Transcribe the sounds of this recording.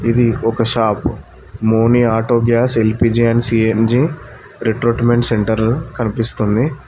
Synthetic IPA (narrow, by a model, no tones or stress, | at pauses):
id̪iʔɔkɐʃaːp | moːniaːʈoːɡjaːselpiːd͡ʒiɐnsiend͡ʒiː | ɾeʈɾoːʈmeɳʈseɳʈɐɾkɐnipist̪und̪i